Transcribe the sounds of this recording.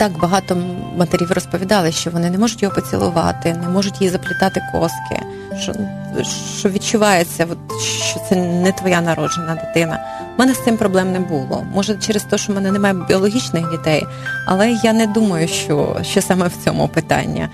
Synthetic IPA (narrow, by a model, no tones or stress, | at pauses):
t̪ɑkbɐɦɑt̪ɔmɐt̪eɾʲiʋrɔspɔʋʲid̪ɑlˠɪʃt͡ʃɔʋɔnɪnɛmɔʐʊtʲjɔɦɔpɐt͡sʲɪ̰lˠʊ̰ʋɑ̰t̪ɪnɛmɔʐʊtʲjizɐplʲɪt̪ɑt̪ɪkɔ̰skʰɪ̰ | ʃt͡ʃɔ̰ | ʃ | t͡ʃɔʋʲit͡ʃʊʋɑjet͡sʲːɐʋɔt̪ʃt͡ʃɔt̪sɛnɛt̪ʋɔjanɐɾɔdd͡ʒenɐd̪ɪt̪ɪnɐ̰ | mɛnɛsɪmpɾɔblˠɛmnɛbulˠɔ̰mɔʒɛt͡ʃɛɾest̪ɔɦɔʃt͡ʃɔmɛnɛnɛmɑjɛbʲiɔlˠɔɦʲit͡ʃnɪxdʲit̪ɛj | ɐ̰lˠɛjanɛd̪umɐjʊʃt͡ʃɔ̰ʃt͡ʃɔsɑmɛwt͡sʲɔ̰mʊ̰pɪt̪ɑ̰nʲːḭ